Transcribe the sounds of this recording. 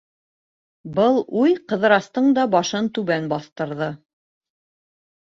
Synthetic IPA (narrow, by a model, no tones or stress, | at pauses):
bɤlˠujqɤ̆ð̆ɾɑst̪ɤɴd̪ɑbɑʃɤnt̪ʉβænbɑθt̪ɤ̆ɾðɤ